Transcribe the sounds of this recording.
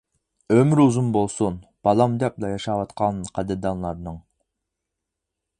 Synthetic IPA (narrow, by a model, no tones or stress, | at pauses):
ømyɾuzumbolˠsunb̥ɑlˠɑmd̪ɛplˠɑjɑʃɑwɑt̪qʰɑnqʰæd̪ɪɾd̪ɑnlˠɑɾnɨŋ